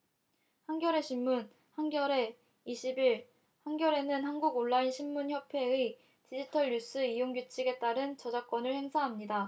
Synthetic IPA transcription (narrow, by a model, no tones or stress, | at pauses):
hanɡjʌɾe̞ɕʰimːun | hanɡjʌɾe̞ | iɕʰibiɭ | hanɡjʌɾe̞nɯnhanɡuɡoɭːainɕʰimːunçʰjʌpʰe̞ɯ | t͡ɕid͡ʑitʰʌɭjus͈ɯijoŋɡjut͡ɕʰiɡe̞t͈aɾɯnt͡ɕʌd͡ʑak͈wʌnɯɭhe̞ŋsʰaɦamɲida